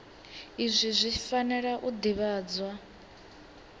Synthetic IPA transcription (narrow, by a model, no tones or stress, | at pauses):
izʷizʷifanɛɺaʔud̪iβaːd͡zwa